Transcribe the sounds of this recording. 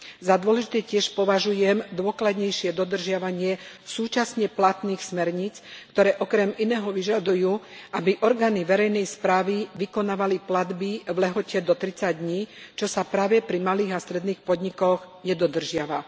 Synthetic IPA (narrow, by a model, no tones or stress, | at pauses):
zad̪ʊɔlɛʒit̪ɛcɪɛʃpɔʋaʒujɛmd̪ʊɔklad̪ɲɛjʃɪɛd̪ɔd̪r̩ʒɪaʋaɲɪɛ | suːt͡ʃasɲɛplat̪niːxsmɛɾɲit͡skt̪ɔɾɛːʔɔkɾɛminɛːɦɔʋiʒad̪ujuːabiʔɔɾɡaːniʋɛɾɛjnɛjspɾaːʋiʋikɔnaːʋaliplad̪biʋlɛɦɔcɛd̪ɔt̪ɾit͡saɟ̚d̪ɲiːt͡ʃɔsapɾaːʋɛpɾimaliːɣast̪ɾɛd̪niːxpɔd̪ɲikɔɣ | ɲɛd̪ɔd̪r̩ʒɪaʋa